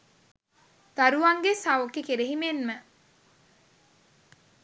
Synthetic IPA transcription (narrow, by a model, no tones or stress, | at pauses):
t̪aɾuaŋɡesaʋokekeɾeɦimenmə